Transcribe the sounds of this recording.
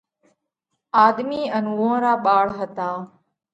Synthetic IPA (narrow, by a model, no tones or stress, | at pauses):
aːd̪miːənʋõːɾaːɓaːɭɦət̪aː